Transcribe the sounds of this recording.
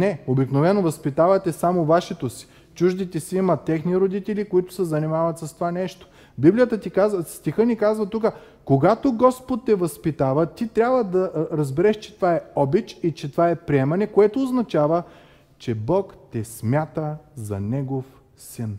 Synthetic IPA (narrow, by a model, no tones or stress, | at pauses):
nɛobiknovɛnovɐspit̪avɐt̪ɛsamovaʃɛt̪osi̥ | t͡ʃuʒd̪it̪ɛsiimɐt̪ɛxniɾod̪it̪ɛlikoit̪ʊ̥sɛzɐnimavɐt̪sɐst̪ovanɛʃt̪o̥ | biblʲijət̪ət̪ikazəst̪ixɤnikazvət̪ukə | koɡat̪oɡɔspot̪ːɛvɐspit̪avət̪it̪ɾʲabvəd̪ɐɾɐzbɛɾɛʃt͡ʃɛ̥t̪ovaɛɔbit͡ʃit͡ʃɛt̪ovaɛpɾiɛmɐnɛkoɛt̪oːznɐt͡ʃavə | t͡ʃɛbɔkt̪ɛsmʲjat̪əzɐ̰nɛɡof | sin